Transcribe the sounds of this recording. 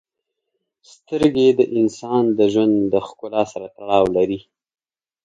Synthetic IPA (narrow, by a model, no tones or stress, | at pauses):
st̪əɾɡed̪əʔɪnsɑnd̪əʒwand̪d̪əxkʊlɑsaɾat̪aɽɑwlaɾi